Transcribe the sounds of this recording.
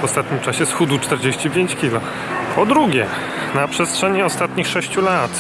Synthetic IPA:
vɔst̪at̪̚ɲimt͡ʂaɕɛsxud̪ut͡ʂt̪ɛɾd͡ʑeɕt͡ɕipʲjeɲt͡ɕkʲilɔ | pʰɔd̪ɾuɡʲɛ | napʂɛstʂɛɲiɔst̪at̪ɲixʂɛɕt͡ɕulat̪

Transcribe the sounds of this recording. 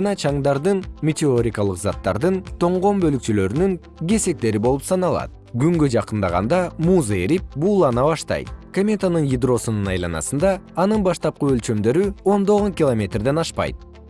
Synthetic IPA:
ɑnɑt͡ʃʰɑŋd̪ɑɾd̪ɯnmʲet̪ʲɪo̞ɾʲikɑlˠɯqzɑt̪ːɑ̰ɾd̪ɯnt̪ʰo̞ɴʁo̞mbø̞lykt͡ʃylø̞ɾynyŋ | ɡʲe̞se̞k̚t̪e̞ɾibo̞lˠupsɑnɑlˠɑ̰t̪̚ɡyŋɡød͡ʒɑqɯnd̪ɑʁɑ̰nd̪ɑmuːzae̞ɾip̚bulˠɑnɑβɑʃt̪ɑ̰jt̪̚komʲe̞t̪anɯnjid̪ro̞sununɑjlˠɑ̰nɑ̰sɯnd̪ɑːnɯnbɑʃt̪ɑp̚quø̞lʲt͡ʃø̞md̪ø̞ɾyo̞nd̪o̞ʁonkʲɪlˠomʲe̞t̪rd̪e̞nɑʃpɑ̰jt̪̚

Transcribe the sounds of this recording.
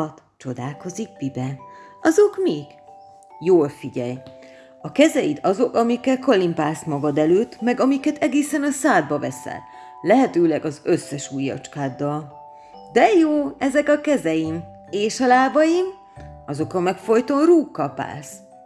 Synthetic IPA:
t̪ | t͡ʃo̞d̪aːlko̞ziɡ̚bibɛɒzo̞kmiːɡ̥ | joːlfiɟɛj | ɒkɛzɛjit̪ʰɒzo̞kɒmikːɛlko̞limpaːsmɒɡɒd̪ɛløːt̪mɛɡɒmikɛt̪ʰɛɡeːsɛnɒsaːd̪̚bɒvɛsɛ̰lː | ɛɦɛt̪øːlɛɡɒzøsːɛʃuːjɒ̰t͡ʃkaːd̪ːɒl | d̪ɛjoːɛzɛkɒkɛzɛjim | eːʃɒlaːbɒjim | ɒzo̞kɒmɛkfo̞jt̪o̞nruːkːɒpa̰ːs

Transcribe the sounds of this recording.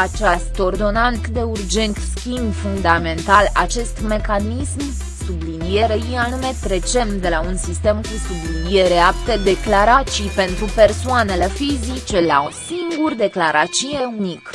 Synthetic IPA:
at͡ʃast̪o̞rd̪o̞nant̪d̪e̞urd͡ʒe̞nt̪skʲimbfund̪ame̞nt̪alat͡ʃe̞st̪me̞kanism | sublinije̞ɾejianume̞t̪ɾe̞t͡ʃe̞md̪e̞launsist̪e̞mkusublinije̞ɾeapt̪e̞d̪e̞klaɾat͡ʃipe̞nt̪ɾupe̞rsoane̞le̞fizit͡ʃe̞laosiŋɡurd̪e̞klaɾat͡ʃijeunik

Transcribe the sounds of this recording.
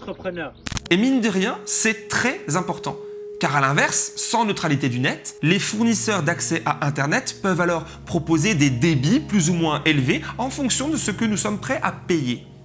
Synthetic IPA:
əpχənemind̪əʁjɛ̃sɛt̪χɛzɛ̃pɔʁt̪ɑ̰̃kaʁalɛ̃vɛʁsːɑ̃nøt̪χalit̪ed̪ynɛt̪lefuʁnisœʁd̪aksɛʔaʔɛ̃t̪ɛʁnɛt̪pœvalɔʁ | pχɔpozed̪ed̪ebiplyzumwɛ̃ʔelveɑ̃fɔ̃ksjɔ̃d̪əsəkənusɔmpχɛʔapeje

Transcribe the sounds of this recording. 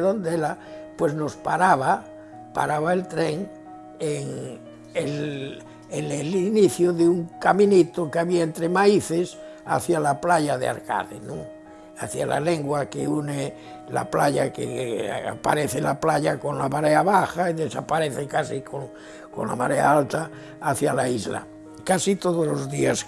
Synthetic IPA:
ðond̪elapwe̞znospaɾaβa | pa̰ɾaβaelt̪ɾeŋ | eŋ | el | eneliniθjoðeuŋkamĩnit̪okeaβiaent̪ɾemaiθes | a̰θjalaplaʎaðea̰ɾka̰ðenõ | a̰θja̰la̰leŋɡwakḛune | la̰plaʎakḛa̰paɾeθelaplaʎakonlamaɾeaβaxaiðesa̰paɾeθekasikoŋ | ko̰nla̰maɾea̰alt̪aː | θjalaizla̰ | kasit̪oðozlozðias

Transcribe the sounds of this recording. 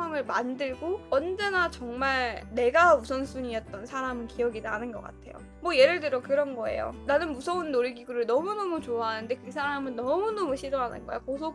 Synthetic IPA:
waŋɯɭmandɯɭɡoʌnd͡ʑe̞nat͡ɕʌŋmaɭne̞ɡausʰʌnsʰuɲiʌt̚t͈ʌnsʰaɾamɯnkiʌɡidaɦanɯnɡʌ̰k͈a̰tʰe̞jo̰ | mwʌje̞ɾɯɭdɯɾjʌkɯɾʌnɡʌe̞̰jo̰nanɯnmusʰʌunːoɾiɡiɡuɾɯɭnʌmunʌmut͡ɕoaɦanɯnde̞kɯsʰaɾamɯnːʌmunʌmuɕʰiɾoɦanɯ̰nɡʌḛjokosʰo

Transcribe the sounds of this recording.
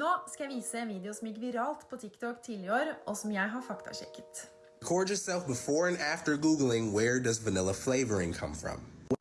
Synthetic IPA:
noːskɑjæɪʋiːsəɛnʋiːd̪ɪʊsɔmjɪk̬ʋɪɾɑːlt̪pʰoːt̪ʰɪkt̪ʰɔkt̪ʰɪlɪøːɾɔsɔmjæɪɦɑɾfɑkt̪ʰɑ̰ʃɛ̰kːə̥t̪ | kʰɔɹdjə˞sɛlˠfbəfɔɹɨ̃næftə˞ɡuɡl̩ˠɪ̃ŋwəɹdʌzvənɪlˠəfleɪvə˞ɪ̃ŋkʰʌ̰̃ɱfɹʌ̰̃m

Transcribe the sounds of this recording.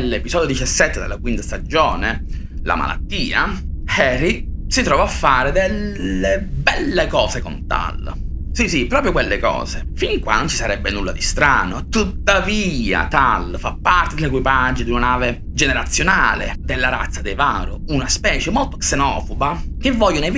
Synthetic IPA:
lːepizɔːd̪jod̪it͡ʃasːɛt̪ːed̪ḛlːakwint̪ast̪ad͡ʒoːne | la̰ma̰la̰t̪ːiːa | hɛrisit̪ɾɔːvaafːaːɾed̪elebɛlːekɔːzekont̪a̰lsisipɾɔːpɾjokwelːekɔ̰ːzefiŋkwanont͡ʃisaɾɛbːenulːad̪ist̪ɾaːnot̪ut̪ːavia̰t̪alfapːart̪ed̪elekwipad͡ʒːod̪unanaːve | d͡ʒeneɾat̪sːjonaːlḛd̪elːaɾa̰t̪sːad̪eva̰ːɾuunaspɛːt͡ʃemolt̪o̥ksenɔːfoba | k̟evːɔʎːone

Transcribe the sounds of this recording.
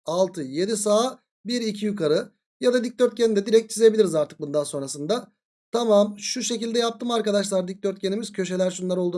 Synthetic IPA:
alˠt̪ʰɯje̞d̪is̬aː | biɾicʰijykʰaɾɯ | jad̪ad̪ic̚d̪øɾt̪̚cenid̪ɛd̪iɾɛc̚t̪̚t͡ʃʰize̞bilʲiɾizaɾt̪ʰɯ̥k̚bund̪anso̞nɾasɯnd̪a | t̪ʰamamʃuʃe̞cilʲd̪ɛjap̚t̪ʰɯmaɾkad̪aʃlˠaɾd̪ic̚d̪øɾt̪̚cʰenimiz̥cʰø̞ʃe̞lʲæɾʃunlˠaɾo̞lˠd̪uː

